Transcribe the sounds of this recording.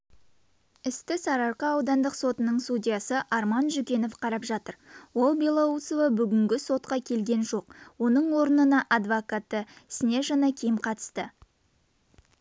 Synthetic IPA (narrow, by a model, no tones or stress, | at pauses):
ɪst̪ɪsɑɾɑɾqɑɑwd̪ɑnd̪əqso̞t̪ənəɴst̪udʲijɑsəʔɑɾmɑnʒʏkʲe̞no̞fqʰɑɾɑpʒɑt̪əɾwo̞lˠbelˠɑut̪sovɑbʏɡʲɪŋɡʲɪso̞t̪̚qɑkʲʰe̞lɡʲe̞nʒo̞qwo̞nəɴwo̞ɾənənɑʔɑd̪vokat̪ːəɪsɪnʲe̞ʒɑnɑkʲʰejɪmqʰɑt̪ə̥st̪ə